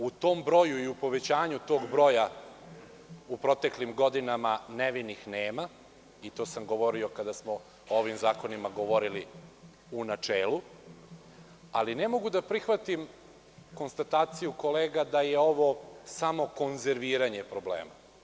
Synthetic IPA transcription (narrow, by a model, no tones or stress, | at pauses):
ut̪o̞ːmbɾo̞juiupo̞ʋet͡ɕaːɲut̪o̞ːɡbɾo̞ja | upɾo̞t̪eklimɡo̞d̪inamaneʋinixneːma | it̪o̞ːsamɡo̞ʋo̞ɾio̞kad̪asmo̞ | oʋimzaːko̞nimaɡo̞ʋo̞ɾili | unat͡ʂeːlu | aline̞mo̞ɡud̪apɾixʋat̪im | ko̞nst̪at̪aːt̪sijuko̞leːɡad̪ajeo̞ʋo̞samo̞ko̞nzeɾʋiːɾaɲepɾoblḛːma̰